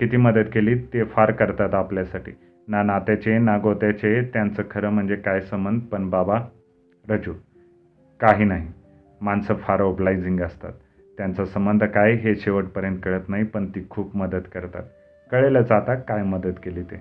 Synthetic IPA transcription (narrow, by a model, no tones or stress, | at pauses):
kit̪ʰiːməd̪əd̪keliːt̪efaɾkəɾt̪at̪apljasaʈḭː | nanat̪jat͡ɕenaɡot̪jat͡ɕet̪jant͡səːkʰəɾəːm̤əɳd͡zekajsəmbənd̪̚ʱpəɳbaba | ɾəd͡ʑu | kaɦiːnaɦi | mansəfaɾoblajd͡ziŋɡəst̪a̰t̪ː | jant͡sasəmbənd̪ʱəkajɦeɕeʋəʈ̚pəɾjənt̪̚kəɭət̪naɦipəɳt̪iːkʰuːpməd̪əd̪kəɾt̪a̰t̪̚ | kəɭeləd͡zat̪akajməd̪ət̪keliːt̪ḛ